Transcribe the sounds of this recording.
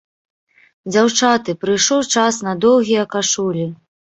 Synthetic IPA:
d͡zʲawt͡ʂat̪ɨpɾɨjʂɔwt͡ʂasnɐd̪ɔwɣʲijɐkaʂulʲi

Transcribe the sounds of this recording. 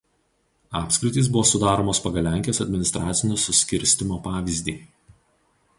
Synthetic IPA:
ɑːpʲsʲkɾʲɪt̪ʲiːˑsbʊʋoːsʊd̪ɑːɾoːmoːspɐɡɐlʲæˑŋʲkʲijoːsɐd̪ʲmʲɪnʲɪst̪ɾɑːt̪sʲɪnʲoːsʊsʲkʲɪɾʲsʲt̪ʲɪmoːpɑːʋʲiˑzʲd̪ʲiː

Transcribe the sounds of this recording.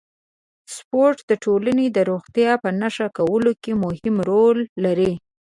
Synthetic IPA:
spoɾʈd̪əʈʰolaned̪əɾoɣt̪jɑpənaʃakawəlokemʊhɪmɾolːaɾi

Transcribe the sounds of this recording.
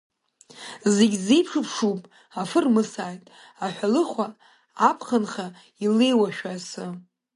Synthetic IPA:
zeɡʲzejpʰʂɨpʰʂupʼ | afɨrmɨsaːjtʼ | aħʷᶣalɨχʷaː | pʰχənχa | ilejwaʃᶣasɨ

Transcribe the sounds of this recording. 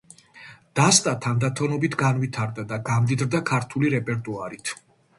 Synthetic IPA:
d̪̥ast̪ʼat̪ʰand̪at̪ʰɔnɔbit̪ʰɡanvit̪ʰaɾd̪ad̪aɡamd̪id̪ɾd̪akʰaɾt̪ʰuliɾɛpʼɛɾt̪ʼuaɾit̪ʰ

